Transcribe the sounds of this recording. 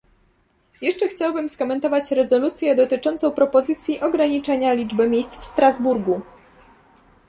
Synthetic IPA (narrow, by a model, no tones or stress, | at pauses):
jɛʂt͡ʂɛxt͡ɕawbɘmskɔmɛnt̪ɔvat͡ɕɾɛzɔlut̪sʲjɛd̪ɔt̪ɘt͡ʂɔnt̪sɔ̃w̃pɾɔpɔzɘt̪sʲjiʔɔɡɾaɲit͡ʂɛɲalʲid͡ʐbɘmʲjejst̪fst̪ɾazbuɾɡu